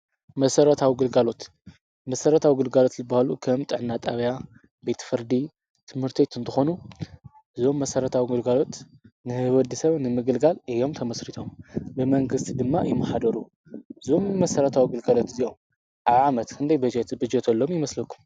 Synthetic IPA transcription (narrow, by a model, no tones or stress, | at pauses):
mɐsɐɾɐt̪ʰawiɡɨlɡalo̞t̪ | mɐsɐɾɐt̪ʰawiɡɨlɡalo̞t̪zɨbːahalukʰɐmt̪ʼɨʕnːat̪ʼaβja | be̞t̪ʰfɨɾd̪i | t̪ʰɨmhɨɾt̪ʰit̪ʰɨnt̪ʰɨxo̞nu | ʔɨzo̞mːɐsɐɾɐt̪ʰawiɡɨlɡalo̞t̪nɨhɨβɐd̪ɨsɐβnɨmɨɡɨlɡalɨjo̞mt̪ʰɐmɐsɾit̪ʰo̞mbɨmɐŋɡɨst̪ʰid̪ɨmːajɪmːɐħad̪ɐɾu | ɨzo̞mːɐsɐɾɐt̪ʰawiɡɨlɡalo̞t̪ɨzijo̞m | ʔaβʕamɐt̪kʰɨnd̪ʰɐjbɐd͡ʒɛt̪bɨd͡ʒɛt̪ʰɐlːo̞mjɪmɐslɐkʰːum